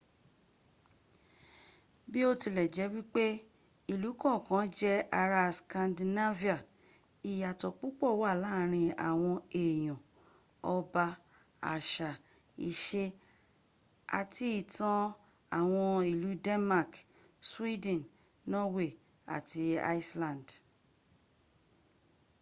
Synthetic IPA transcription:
bi˦o˦ti˧lɛ˨d͡ʒɛ˨˦wi˦k͡pe˦ | i˨lu˨˦kɔ̃˦˨kã˨˦d͡ʒɛ˦a˧ɾa˧skã˧ndi˧na˦vi˦a˨ | i˨ja˨tɔ˧˨k͡pu˦k͡pɔ˦˨wa˦˨laː˦˨ɾ̃ĩ˧a̰˨w̃ɔ̃˧e˨j̃ɔ̃˨ | ɔ˧ba˧ | a̰˨ʃa˨ | i˨ʃe˧ | a̰˧ti˦i˨tã˦ | a˨w̃ɔ̃˧i˨lu˨˦dɛ˦nma˦˨k | swi˦dɛ̃˨n | nɔ˦we˦˨ | a̰˨ti˧a̰˦i˦slã˨nd

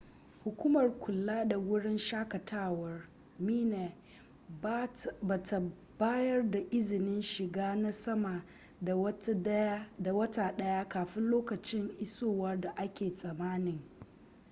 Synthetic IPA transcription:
hʊ˨kʷuː˦mɐ˨rkʷʰʊ˨lːaː˦da˨wʊ˦ɽɪ˦nʃaː˦kɐ˨tʰaː˦wɐ˦r | miː˦neː˨˦ | ba˨ta˨ | baː˦jɐ˦rda˨ʔɪ˦zɪ˨nɪ˦nʃɪ˨ɡaː˦na˦sɐ˦ma˨ | da˨wɐ˦ta˦dɐ˦ja˦da˨wɐ˦taː˨ɗɐ˦ja˦kaː˨ɸɪ˦nloː˦kɐ˨t͡ʃɪ˦ŋʔɪ˦soː˦˨wɐ˦rda˨ʔa˦kʲeː˨sʼɐ˨maː˦nɪ˨ŋ

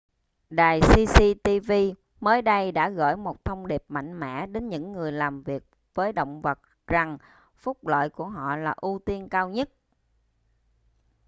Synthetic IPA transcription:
ɗaː˨˩jsi˧si˧t̪i˧vi˧ | məː˨˦jɗə˧jɗa̰ː˧˥ɣɔ̰˧˥jmo˨˩t̚t̪ʰə˧wŋ͡mɗi˨˩əp̚ma̰˧˨jŋ̟mɛ̰˧˥ɗe˨˦nɲɨ̰˧˥ŋːɨ˨˩əjlaː˨˩mvi˨˩ək̚ | vəː˨˦jɗə̰˧˨wŋ͡mvə˨˩t̚ | za˨˩ŋ | fʊ˦˥k͡p̚lə̰ː˧˨jku˧˩əɦɔ̰˧˨laː˨˩ʔu˧t̪i˧ənkaː˧wɲə˦˥t̚

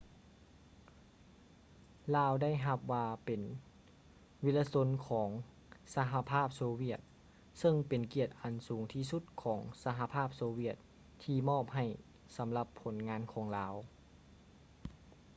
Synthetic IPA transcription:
laː˧wda˥˩jɦa˧p̚ʋaː˧pe˨˩n | wi˧˥la˧so˧˥nkʰɔː˩˦ŋ | sa˧ɦa˧pʰaː˥˩p̚soː˧wi˧˥˩ət̪̚ | sɤ˧˩ŋpe˨˩nki˧˩ət̪̚ʔa˨nsuː˨˩˦ŋt̪ʰiː˧˩su˧˥˦t̪̚kʰɔː˩˦ŋsa˧ɦa˧pʰaː˥˩p̚soː˧wi˧˩ət̪̚ | t̪ʰːiː˧mɔː˥˩p̚ha˧˩j | sa˨˦mla˧pʰːo˩˦nŋaː˧˥nkʰɔː˩˦ŋlaː˧˥˩w

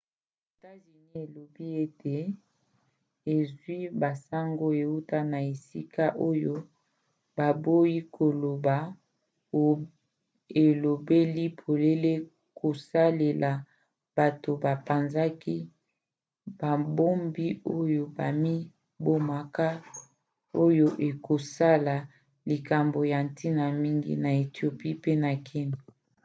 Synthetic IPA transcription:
e˨ta˦zi˨ni˦e˨lo˨bi˦e˦tʰe˨ | e˨zwi˦ba˨sa˦ŋɡo˦e˨u˦ta˦na˨e˨si˦ka˦ʔo˦jo˦ | ba˨bo˦ji˦kʰo˨lo˨ba˨ | e˨lo˨be˦li˦pʰo˨le˦le˦ | kʰo˨sa˦le˨lʔa˨ | b̥a˨to˨ba˨pa˨nza˦ki˦ | ba˨bo˦mbi˦o˦jo˨ba˨mi˦ | bo˦ma˨ka˦ | o˦jo˦ʔe˨ko˨sa˦la˨ | li˨ka˨mbo˨ja˨n˨ti˦na˨mi˦ŋɡḭ˦na˨e˨tjo˨pi˦pe˦na˨kʰi˦na˨

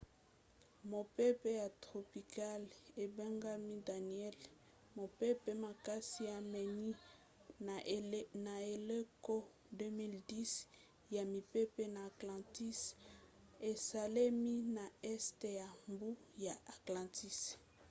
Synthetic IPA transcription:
mo˨pe˦pe˦ja˨tʁo˨pi˨ka˦le˨ba˦ŋɡa˦mi˦da˨ni˨ɛ˦l | mo˨pe˦pe˦ma˨ka˦si˦a˨mɛ˨ni˦ | na˨e˨le˦ko˦ | dø˦mi˦ldi˦s | ja˨mi˨pe˦pe˦naː˨klã˨ti˦s | e˨sa˨le˦mi˦na˨ɛ˦ste˨ja˨mbu˦ja˨ʔa˨klɑ̃˨ti˦s

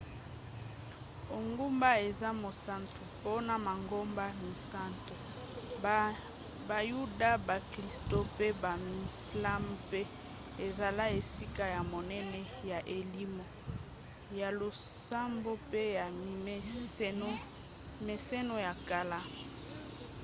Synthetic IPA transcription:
o˨ŋɡu˦mba˦e˨za˦mo˨sa˦ntu˨po˦na˨ma˨ŋɡo˦mba˦mi˨sa˦nto˨ | ba˨ju˦da˦ba˨kli˨sto˦pe˦ba˨mi˨sla˦mpe˦ | e˨za˨la˦e˨si˦ka˦ja˨mo˨nɛ˦nɛ˦ | ja˨ʔe˨li˦mo˨ | ja˨lo˨sa˦mbo˦pe˦ja˨˦ | me˨sɛ˦no˦ja˨ka˦la˦

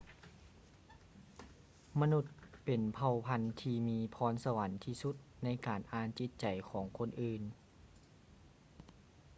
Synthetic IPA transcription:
ma˧nu˧˩t̪̚pe˨˩npʰa˧wpʰa˧nt̪ʰiː˧miː˧pʰɔː˧˥nsa˧wa˩˦nt̪ʰiː˧su˧˦t̪̚na˧˥jkaː˨˩nʔaː˧nt͡ɕi˧˥t̪̚t͡ɕa˨˩jkʰɔː˩˦ŋkʰo˧˥nʔɯː˧n

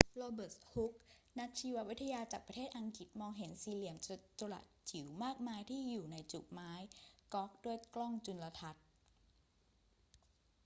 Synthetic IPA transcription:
ɾoː˧bɤː˨˩shu˦˥k̚na˦˥k̚t͡ɕʰiː˧wa˦˥wi˦˥t̪ʰːa˧jaː˧t͡ɕaː˨˩k̚pɾa˧t̪ʰeː˥˩t̪̚ʔa˧ŋki˨˩t̪̚mɔː˧ŋɦe˩˦nsiː˧li˧˩əmt͡ɕa˧la̰˨˩t̪̚t͡ɕʰi˨˩˦wmaː˥˩k̚maː˧jt̪ʰiː˥˩juː˨˩na˧jt͡ɕṵ˨˩p̚maː˦˥jkɔ˦˥k̚du˥˩əjklɔ˥˩ŋt͡ɕu˧nla˧t̪ʰa˦˥t̪̚

